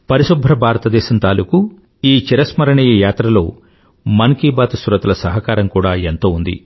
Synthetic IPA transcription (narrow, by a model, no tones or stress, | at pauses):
pɐɾiʃubʱɾɐbʱaːɾɐt̪ɐd̪ɛːʃɐnt̪aːluku | iːt͡ʃiɾɐsmɐɾɐɳɐjɐjaːt̪ɾɐlo̞ː | mɐnkiːbaːt̪suɾɐt̪ɐlɐsɐɦɐkaːɾɐmkuːɽaːent̪o̞ːund̪ḭ